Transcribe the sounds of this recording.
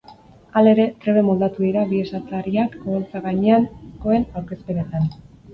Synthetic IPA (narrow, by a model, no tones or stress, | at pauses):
ale̞ɾe̞t̪ɾe̞βe̞mo̞ld̪at̪uðiɾaβie̞sat͡s̪aɾiakoβolt͡saɣaɲe̞anko̞e̞nawɾke̞spe̞net̪an